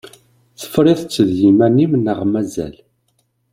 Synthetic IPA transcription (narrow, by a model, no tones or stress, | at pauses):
θə̥fɾˤɪðˤt͡sːəðjimænimnəʁmæzæ̰l